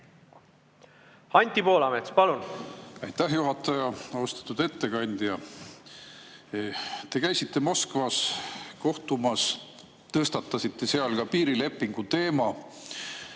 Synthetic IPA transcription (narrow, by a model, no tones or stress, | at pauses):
ɑnʲt̪ʲipo̞ːlɑmet̪spɑlunɑjt̪ːæɦjuɦɑt̪ːˑɑjɑost̪ɑ̥t̪ːˑud̪̥e̞t̪ːe̞kɑnʲd̪̥jɑ | t̪e̞kæjsit̪ˑːe̞mo̞skvɑsko̞ht̪umɑs | t̪ɤst̪ɑt̪ːˑɑsit̪ːe̞seɑlkɑpiːɾile̞pːˑiŋɡ̥ut̪e̞ːmɑ